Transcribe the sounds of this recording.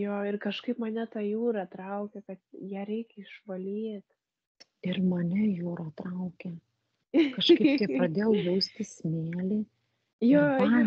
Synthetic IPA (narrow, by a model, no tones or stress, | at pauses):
joːɪrkɐʃkɐɪpmɐnʲɛt̪ɑːjuːɾɑt̪ɾɐʊkʲɛkɐt̪jæːɾʲɛɪkʲɪʃʋɐlʲiːt̪ | ɪrmɐnʲɛjuːɾɐt̪ɾɐʊkʲɛ | kɐʃkkɐɪptʲɐɪpɾɐd̪ʲeːjɛʊjɛʊsʲt̪ʲɪsʲmʲeːlʲiː | joːɑː